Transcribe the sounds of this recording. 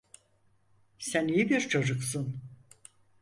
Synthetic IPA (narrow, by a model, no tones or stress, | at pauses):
sænijibiɾt͡ʃʰo̞d͡ʒuksun